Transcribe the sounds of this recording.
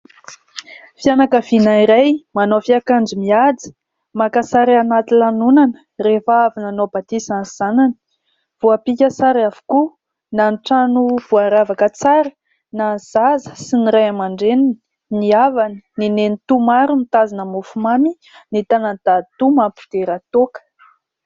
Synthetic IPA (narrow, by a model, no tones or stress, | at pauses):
fianakəv̥inaiɾajmanofiakaɳd͡zimiad͡zi̥ | makasaɾianat̪ilanunanə̥ | refəavinanobat̪isanz̥ananə̥ | v̥uapikʲasaɾiavu̥ku | nanʈ͡ʂanuv̥uaɾavakət͡saɾə̥ | naz̥azə̥siniɾajamaɳɖ͡ʐenini̥ | niavanəninenit̪umaɾumit̪azinəmufumami | nit̪anəd̪at̪umampi̥d̪̥eɾat̪okə̥